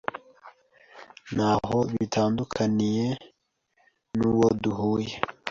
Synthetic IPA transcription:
nhaɦo̞βitʰaːndukʰanije̞ | nuwo̞duɦuːje

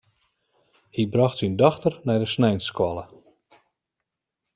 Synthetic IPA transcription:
hibrɔxtsindɔxtərnɛjdəsnɛjnskwɔlˠə

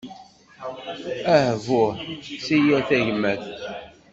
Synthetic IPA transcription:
æhvʊʁsijæθæʝmæθ

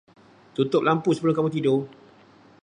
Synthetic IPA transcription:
t̪ut̪ʊp̚lampusəbəlʊmkamũt̪̬ido

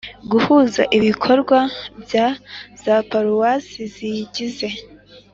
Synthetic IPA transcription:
ɡuhuːza̰ʔiβikʰo̞ɾɡwabjaz̥apaɾuwasiziɟize̞

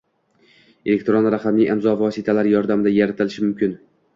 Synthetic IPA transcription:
elek̚ʲt̪ɾonɾaχamnɪŋɪmzɒvɒsɪt̪ʰalaɾjɒɾd̪amɪd̪ajaɾat̪ʰɪlɪʃɪmʊmkʲɪn

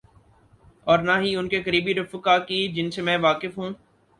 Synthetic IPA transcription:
ɔːɾnaːɦiʊnkekəɾiːbiɾʊfəkaːkid͡ʒɪnsemɛ̃ːʋaːkɪfɦũː

